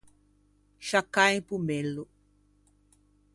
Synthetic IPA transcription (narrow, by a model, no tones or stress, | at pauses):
ʃakaj̃pumɛlu